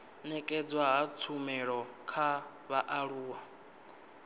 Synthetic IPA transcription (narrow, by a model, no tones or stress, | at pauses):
nɛkʼɛd͡zwaɦat͡sʰumɛɺɔkʰa | βaʔaɺuːwa